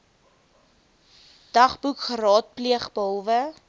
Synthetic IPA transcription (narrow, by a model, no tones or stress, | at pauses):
d̥ɐχbukχəɾɑːt̚pliəχbəɔlˠvə